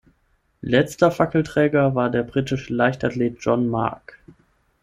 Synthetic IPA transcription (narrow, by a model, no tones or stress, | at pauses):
lɛt͡stɐfakl̩tʁ̥ɛːɡɐvaːɐdeːɐbʁiːtɪʃəlaɪçtatleːt̚d͡ʒ̥ɔnma̰ɐk